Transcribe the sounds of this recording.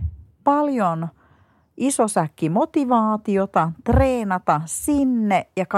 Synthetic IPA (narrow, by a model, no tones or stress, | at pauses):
pɑljon | ʔisosækːimo̞t̪iʋɑːt̪iot̪ɑt̪reːnɑt̪ɑsinːeʔjɑk